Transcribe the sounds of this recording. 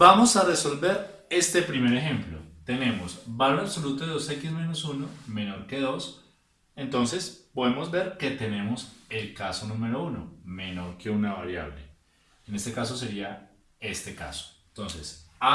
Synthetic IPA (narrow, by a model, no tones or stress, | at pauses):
bamo̞sare̞so̞lbe̞ɾ | e̞st̪e̞pɾime̞ɾe̞xe̞mplo̰t̪e̞ne̞mo̞sbaɾoeasolut̪oðeðosekizmẽ̞nosuno̞me̞no̞ɾke̞ðo̞s | e̞nt̪o̞nse̞spoðemo̞zbe̞ɾke̞t̪e̞ne̞mo̞se̞lkaso̞nume̞ɾo̞uno̞̰me̞no̞ɾke̞unaβaɾja̰βle̞̰ | ene̞st̪e̞kaso̞s̬e̞ɾia | e̞st̪e̞ka̰so̥nt̪o̞nsesa